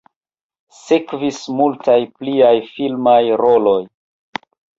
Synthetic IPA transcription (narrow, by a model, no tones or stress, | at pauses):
sekvismultajpliajfilmajɾolo̞j